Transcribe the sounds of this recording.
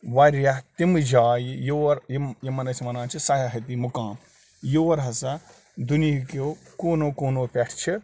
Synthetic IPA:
ʋɐɾjɐt̪imɨd͡ʒaːjijoːɾjjimɐnɐsʰimɐnãːnt͡ʃʰisɐjɐɦɐt̪iːmukãːm | joːɾɦɐsɐ | d̪unikoːkoːnoːkoːnoːpʲeʈʰt͡ʃʰi

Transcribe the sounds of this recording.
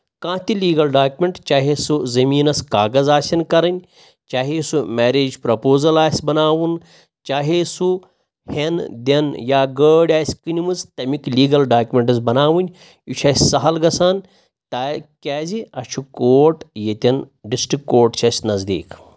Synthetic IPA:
kãːt̪iliːɡɐlɖaːkʲumʲeɳʈt͡ʃaːɦesuzɐmiːnɐskaːɡɐzaːsʲɐnkɐɾɐnʲ | t͡ʃaːɦisumɛːɾeːd͡ʒpɾɐpoːzɐlaːsʲbɐnaːʋun | t͡ʃaːɦesu | hend̪ʲɐnjaːɡəːɽʲaːsʲkɨnʲimɨzt̪ɐmikliːɡɐlɖaːkʲumʲeɳʈɨzbɐnaːʋunʲ | ut͡ʃʰɐːsʲsɐɦɐlɡɐsaːn | t̪akʲaːziɐt͡ʃʰukoːʈjet̪ʲɐn | ɖisʈikːoːʈt͡ʃʰɐsʲnɐzd̪ḭːk

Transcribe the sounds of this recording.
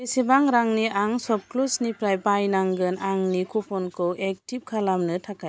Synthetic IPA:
esibaŋɾaŋniʔaŋsɔb̚klusnipɾajbajnaŋɡɯnaŋnikʰupʰɔnkʰɯwʔek̚tib̚kʰalamnɯtʰakʰaj

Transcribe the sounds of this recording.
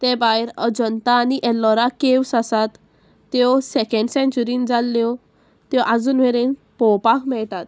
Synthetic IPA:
t̪ẽbajɾəd͡ʑənt̪aːniʔɛlːɔɾakewsasat̪ː | jɔsɛkɛ̃ɳɖsẽnt͡ɕuɾĩnd͡zalːjɔ | t̪jɔʔad͡zuːnʋeɾen | pɔwpakmɛɭt̪at̪̚

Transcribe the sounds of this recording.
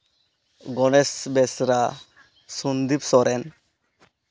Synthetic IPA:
ɡɔnɛsbɛsɾa | sund̪ipsɔɾʔɛn

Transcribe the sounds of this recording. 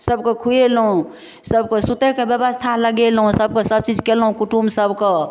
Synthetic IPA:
səbkekʰuelɦũ | səbkesut̪ekebjəbəst̪ʰaləɡelɦũsəb̚kesəb̚t͡ʃid͡ʒkelɦũkuʈumsəbke

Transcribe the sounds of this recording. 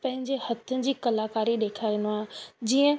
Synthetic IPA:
pɐ̃ɦɪ̃ɲd͡ʑehɐt̪ʰəɪ̆d͡ʑiːkɐlaːkaːɾiɗeːkʰaːinaːd͡ʑiːə̃

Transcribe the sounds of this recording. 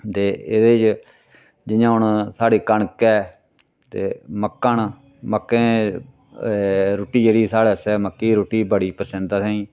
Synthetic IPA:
t̪eːed̪eːd͡ʒ | d͡ʒɪjãːɦʊɳsaːɽeːkəɳkɛː | t̪ḛːməkːən | məkːẽː | ɾoːʈiːd͡ʒeːɽiːsaːɽɛːsɛːməkːiːɾoːʈiːbəɽiːpəɾsə̃nd̪aːsãĩː

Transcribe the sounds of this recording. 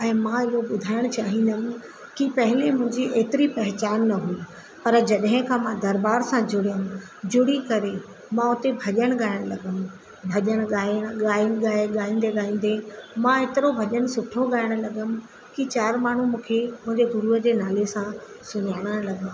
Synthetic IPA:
ɛ̃ːmãɪɦoɓʊd̪ʱaːɪɽ̃ʊt͡ɕaːɦĩːn̆d̪əm̆ | kipɐɦɪlemʊ̃ɦɪ̃ɲd͡ʑiʔeːt̪ɪɾipɐɦɪt͡ɕaːnːɐɦui | pɐɾd͡ʑɐɗɦɪ̃kʰãːmãd̪ɐɾbaːɾsãd͡ʑʊɽijəm | d͡ʑʊɽikɐɾe | mãʊt̪ebʱɐʄəɽ̃ɠaːɪɽ̃lɐɡəm̆ | bʱɐʄəɽ̃ɠaːəɽ̃ɠaːɪɽɠaːɠaːĩːnd̪eɠaːĩːn̆d̪emãeːt̪ɪɾobʱɐʄəñsʊʈʰoɠaːɪəɽ̃lɐɠəmɪ̆ | kit͡ɕaːɾmaːɳ̤umũːkʰemʊ̃ɦɪ̃ɲd͡ʑeɡʊɾuːɦəd͡ʑeːnaːlesã | sʊɲaːɽ̃əlɐɠãː

